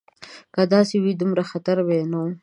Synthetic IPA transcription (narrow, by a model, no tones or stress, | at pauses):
kad̪ɑsewid̪ʊmɾaxat̪aɾbenaw